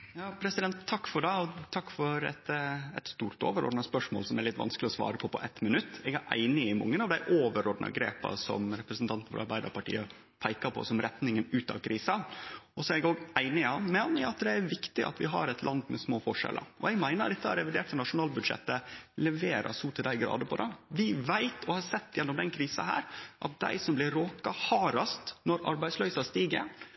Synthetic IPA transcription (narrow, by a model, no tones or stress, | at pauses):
jɑːpʰɾɛsɪd̪ɛnt̪ʰːɑkːfɔɖæɪɔt̪ʰɑkːfɔɾɛ̰t̪ɛ̰t̪st̪uːɾʈ̪o̰ːʋəɾɔ̰ɖ̪nɑspœʂmo̰ːlsɔmæɾlɪt̪ːʋɑ̰nsklɪɔsʋɑ̰ːɾəpʰɔpʰɔʔɛt̪mənʉt̪ːɛɡæɾʔæ̰ɪnɪɪmɑ̰ŋːənɑʋd̪æɪʔoːʋəɾɔd̪nɑ̰ɡɾḛːpɑ̰sɔ̰mɾɛpɾəsn̩t̪ɑnt̪nfɔɾɑɾbæɪd̪əɾpɑʈḭːə | pʰæɪkɑpʰɔ̰sɔmɾɛt̪nɪŋənʉːt̪ɑ̰ʋkʰɾiːsɑɔsɔɛɡoːɡæɪnɪɑmɛnəʊɑt̪d̪ɛæɾʋɪkt̪ɪʔɑ̰t̪ʰʋɪɦɑ̰ɾɛt̪lʔɑnd̪mɛsmoːfɔʂɛ̰lə̰ɾʔɔ̰ɛɡmæɪnəd̪ɛt̪ːəhɑɾɛʋɪd̪eːʈ̪ʰənɑʂʊnɑːlbʉd̪ʂɛ̰t̪ːəlɛʋeːɾʔɑ̰suːt̪ʰəd̪æɪɡɾɑ̰ːd̪əpʰɔd̪ɛʋɪʋæɪt̪ʰɔhɑsɛt̪ːjɛnːɔmd̪ɛnkʰɾiːsɑhæ̰ːɾʔɑt̪̚d̪æ̰ɪsɔmblɪɾoːkɑhɑːɾɑst̪nɔɾɑ̰ɾbæɪslœʏsɑst̪iːɡə